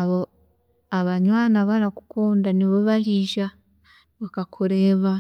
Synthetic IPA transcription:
aβo | aβaɲwaːnaβaɾaku̥kʰoːndaniβoβaliʒa | βakakʰoɾeβa

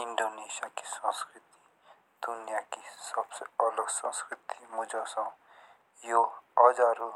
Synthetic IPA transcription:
iɳɖonesijaki̥sʌ̃skɾit̪i̥ | d̪̥unijakisʌbseʌləɡsɔ̰̃skɾit̪imud͡ʒosã | joʌd͡ʒaɾu

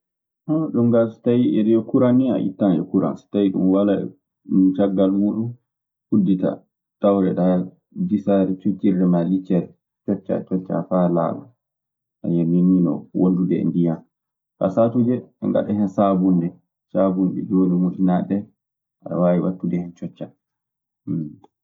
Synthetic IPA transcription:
hɔɗumɡasi̥tajiʔɛɾijɔkuɾania̰ʔḭtːand͡ʒɛ̰kuɾa̰nsi̥tajiɗṵmwalaɛ | ut͡ʃaɡːalmuɗum | hudːita̰ | tawɾɛɗa | disaɾɛt͡ʃut͡ʃːiɛmalit͡ʃːɛɾɛ | t͡ʃɔt͡ʃːa̰t͡ʃɔt͡ʃːa̰fala̰ba̰ | ʔa̰ɲaninːinɔ̰wʔondundɛɛ̰ndijan | ka̰satud͡ʒɛɛ̰ŋɡa̰ɗɛhɛnsabundɛ | sabunɗɛ̰d͡ʒoːnɛmudinaɗɛ | aa̰wajiwatːudɛhɛnt͡ʃɔt͡ʃːa

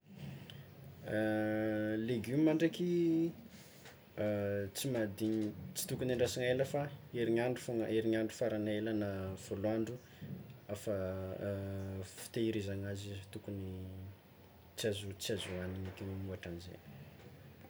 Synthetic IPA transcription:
leɡumimaɳɖ͡ʐaki | t͡simad̪iɲt͡si̥t̪ukunaɳɖ͡ʐasiŋeləfaeɾiɲaɳɖ͡ʐufoŋəʔeɾiɲaɳɖ͡ʐufaɾanelanav̥oloaɳɖ͡ʐu | afa | fi̥t̪eiɾizaŋazit̪ukuni | t͡siazut͡siazuaniɲikʲenimuaʈ͡ʂanizḛ

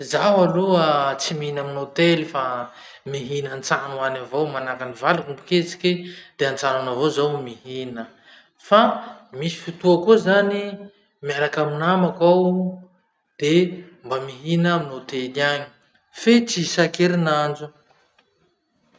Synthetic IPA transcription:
zaɦaluət͡simiɦinaminot̪elifa | miɦinant͡sanuanavowmanakanivalakumbuket͡si̥kid̪̥eant͡sananavozawmiɦinə | famisi̥fit̪uakuzani | miaɾakaminamakaw | d̪̥e | mbamiɦinaminot̪eliaɲi̥ | fet͡sisakeɾinand͡ʒu

